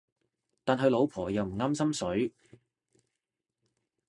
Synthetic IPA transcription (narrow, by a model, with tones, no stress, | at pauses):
t̪aː˨nɦɐ˨jlo˨˧wpʰɔː˨˩jɐ˨wm̩˨˩ŋaː˥msɐ˥msɵ˨˥ɥ